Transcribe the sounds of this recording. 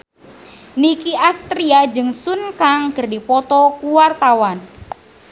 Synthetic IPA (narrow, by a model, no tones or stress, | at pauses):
nikiʔast̪ɾiad͡ʒɨŋsunkaŋkərdipɔt̪ɔkuwart̪awan